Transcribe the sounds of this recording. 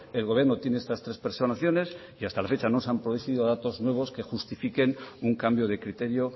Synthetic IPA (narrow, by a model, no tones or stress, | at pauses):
e̞lɣo̞βje̞ɾno̞t̪je̞ne̞est̪ast̪ɾe̞spe̞ɾsonaθjo̞ne̞s | iast̪alafe̞t͡ʃano̞s̬ampɾoðuθiðoðat̪o̞znwe̞β̞o̞ske̞xust̪ifike̞nuŋkambjo̞ð̞e̞kɾit̪e̞ɾjo̞